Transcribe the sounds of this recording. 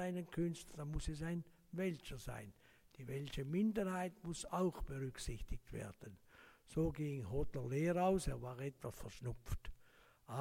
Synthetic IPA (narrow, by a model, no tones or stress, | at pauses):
aɪnənkʰʏnstləd̥amʊsɛsaɪn | vɛlt͡ʃəza̰ɪn | d̥iːvɛlçəmɪndəɾhaɪtmʊsaʊxb̥əʁʏksɪçtɪk̚tv̥ḛːɐd̥ənz̥oːɡɪŋhɔtəleːɾaʊseːɐvaːʁɛtv̥asfɛɐʁʃnʊpp͡ft | ʔa